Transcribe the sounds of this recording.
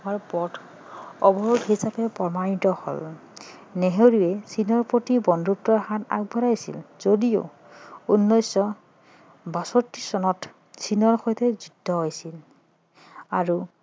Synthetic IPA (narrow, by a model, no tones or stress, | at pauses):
maɹpɔtʰ | ɔbɔɹudɦisapɛpɔmanitɔho̰l | neɦewɹiɛsʰinɔɹpɹotibɔndʱup̚tɔɹhata̰k̚bʱɔɹajsḭlz̥odijo̰ | unːɔjsɔ | basɔtːisɔnɔt | sʰinɔɹxɔjtʰɛzudʱːɔɦojsil | aɹu